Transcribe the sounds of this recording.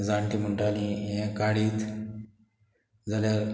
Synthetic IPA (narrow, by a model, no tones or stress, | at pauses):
d͡zãɳʈiməɳʈaliẽkaɽiːt̪ | d͡zaljaɾ